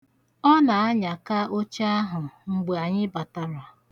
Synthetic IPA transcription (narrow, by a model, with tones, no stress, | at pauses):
ɔ˦na˨a˦ɲa˨ka˦ʔo˦t͡ʃa˦ɦʊ˨ŋ͡m̩˨ɡ͡be˨a˨ɲɪ˦ba˨ta˦ɾa˨